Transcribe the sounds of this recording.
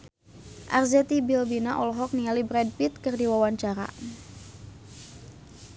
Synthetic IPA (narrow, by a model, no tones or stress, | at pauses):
ʔa̰rzɛt̪ibilbinaʔɔlɔɦɔk̚nialibɾɛd̚pit̪̚kɨrdiwawaɲt͡ʃaɾa̰